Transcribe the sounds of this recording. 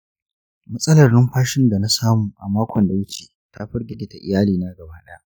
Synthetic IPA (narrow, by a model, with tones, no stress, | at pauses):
mɐ˦sʼɐ˦lɐ˨rnɪ˦mɸaː˦ʃɪ˦nda˨na˦saː˦muː˨ʔa˨maː˦kʷʰɔ˨nda˨wɪ˦t͡ʃeː˨ | ta˦ɸɐ˦rɡʲɪ˨ɡʲɪ˨ta˨ʔɪ̰˨jaː˦liː˨na˦ɡɐ˨baː˦ɗɐ˦ja˦ʔ